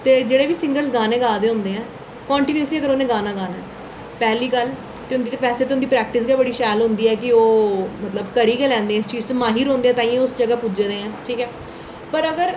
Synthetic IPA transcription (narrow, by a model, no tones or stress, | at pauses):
t̪eːd͡ʒeːɽeːʋiːsɪ̃ŋɡəɾsɡaːnẽːɡaːd̪eːɦʊ̃nd̪eːɛ̃ː | kɔːɳʈiːnəsliːəɡəɾoːneːɡaːnaːɡaːnaː | pɛːliːkəl | t̪eːʊ̃nd̪iːt̪epɛːseːt̪ɪʊnd̪iːpɾɛːk̚ʈɪsɡaːbəɽiːʃɛːlɦʊ̃nd̪iːɛːkɪoːmət̪ləbkəɾiːkɛːlɛ̃ːnd̪eːɛ̃t͡ʃiːzt͡ʃmaːɦiːɾõːnd̪eːɛ̃ːt̪ãːĩʊsd͡ʒəɡaːpud͡ʒeːd̪eːɛ̃ːʈʰiːkɛː | pəɾəɡəɾ